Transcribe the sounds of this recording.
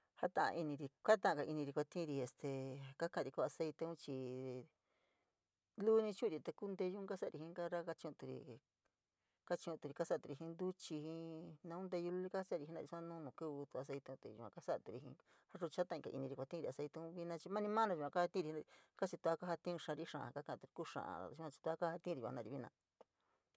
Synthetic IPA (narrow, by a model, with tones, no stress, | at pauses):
ha˦t̪ã̰˧ʔã̰˧ʔi˧nĩ˧ɾi˧kʷa˦t̪̬ã˦ã˧ka˨˧ʔi˧nĩ˧ɾi˧kʷa˧t̪ĩ˦˧ɾi˧e˧st̪ʰe˨ka˦kã˧˨ɾi˧ko˧a˧se˧˦jt̪e˧ũ˦t͡ʃi˧ | lu˦nĩ˧t͡ʃũ˦˧ɾi˧t̪e˧ku˦˧nd̪e˧ʒu˦ka˦sa˦˨˧ɾi˧hĩ˧˦ka˦ɾa˦ka˦t͡ʃĩ˧ũ˧t̪u˧ɾḭ˧ | ka˦t͡ʃĩ˧ũ˧t̪u˧ɾi˧ka˦sa˦˨t̪u˧ɾi˧˨ɦĩ˧nd̪u˦t͡ʃi˧hĩ˧nã˧ũ˦nd̪e˧ju˧lu˧˦i˦ka˦a˦sa˦˨˧i˧nã̰˧ɾi˧su˧˦ã˦nũ˦˧nũ˨ku˦βu˧t̪u˧a˧s̬e˧jt̪e˧ũ˧t̪e˧˨ṵ˨kʷã̰˧ka˦sa˦˧t̪u˧ɾi˧ɦḭ̃˧ | ha˦ʐu˧t͡ʃa˦t̪ã˧ka̰˨˧ʔḭ˧nĩ˧i˧kʷa˧t̪ĩ˦˧ɾi˧a˧se˧t̪e˧ũ˦βi˦nã˧t͡ʃi˧mã˦nĩ˧mã˦nã˧ʒu˧kʷã˧ka˦ha˧t̪ĩ˦˧i˧ã˧ka˦t͡ʃi˧t̪u˧a˦ka˦ha˧t̪ĩ˦˧ʂã˧ɾi˦ʂã̰˨˧ka˦kã˧˨˧t̪u˧i˧ku˦ʂã̰˧˨ã̰˨˧u˧ã˧t͡ʃi̥˧t̪u˧a˦ka˦ha˧t̪ĩ˧˦˧ɾḭ˨˧nã˧ɾi˧βi˦˧nã̰˧